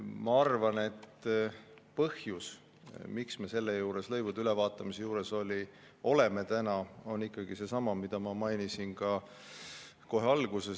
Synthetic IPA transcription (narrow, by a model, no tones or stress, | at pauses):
mɑɑrvɑne̞t̪ː | pɤhjus | miksme̞se̞lːejuːɾe̞slɤ̞jvud̪̥ylevɑːt̪ːˑɑmisejuːɾe̞so̞lʲi | o̞le̞me̞t̪ænɑo̞nikːˑɑɡ̥ise̞sɑmɑmid̪̥ɑmɑmɑjnisinkɑ | ko̞ɦeɑlɡ̥use̞